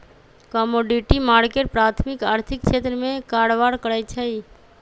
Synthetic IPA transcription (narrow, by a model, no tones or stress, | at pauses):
kəmoɖiʈimaːɽkeʈpɾat̪ʰmɪkaːɾt̪ʰɪkʃʰet̪ɾəmẽkaɽʋaɽkəɽajt͡ʃʰəi